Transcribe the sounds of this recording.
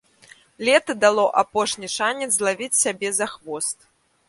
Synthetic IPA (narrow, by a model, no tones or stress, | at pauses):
lʲɛt̪ɐd̪alˠɔʔapɔʂnʲiʂanʲɛd̪zlˠavʲit͡sʲsʲabʲɛzaxvɔst̪̚